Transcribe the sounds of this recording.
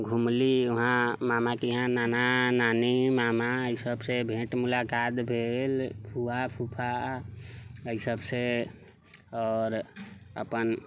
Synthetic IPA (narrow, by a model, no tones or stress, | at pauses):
ɡʱumliʊɦãmamakiɦãnaːnanaːnimamaəisəbsebʱẽːʈmulakaːt̪bʱeːlpʰuapʰupʰa | əisəbse | ɔːɾə̰pən